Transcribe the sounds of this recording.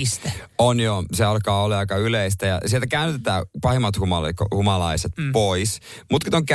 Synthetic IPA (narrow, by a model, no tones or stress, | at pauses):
st̪æ | onjoseɑlkɑːolːɑɑikɑyleist̪æjɑ̰sielt̪ækæynt̪et̪æːpɑhemːɑt̪humɑlkhumɑlɑiset̪pois | mut̪kit̪oŋkæ